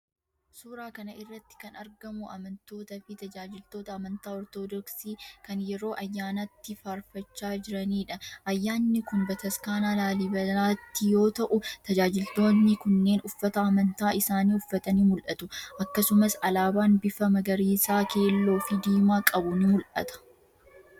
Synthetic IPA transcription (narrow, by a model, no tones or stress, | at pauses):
suːɾaːkɐnɐɪrːɐt̪ːɪ̥kɐnɐɾɡɐmʊʔɐ̰mɐnt̪o̞ːt̪ɐfɪt̪ɐd͡ʒaːd͡ʒɪlt̪o̞ːt̪ɐːmɐnt̪aːɔɾt̪oːd̪ɔksiːkɐnjɛɾo̞ːʔɐjːaːnɐt̪ːɪfaɾfɐt͡ʃːaːd͡ʒɪɾɐniːᶑɐʔɐjːaːnːɪkʊnbɐt̪ɐskaːnaːlaːlɪbɐlaːt̪ːɪjo̞ːt̪ɐʔʊt̪ɐd͡ʒaːd͡ʒɪlt̪o̞ːnːɪkʊnːe̞ːnʊfːɐt̪ɐɐmɐnt̪aːɪsaːniːʊfːɐt̪ɐniːmʊlʔɐt̪ʊʔɐkːɐsʊmɐsɐlaːbaːnbɪfɐmɐɡɐɾiːsaːke̞ːlːo̞ːfɪd̪iːmaːkʼɐbʊnɪmʊlʔɐ̰t̪ɐ̥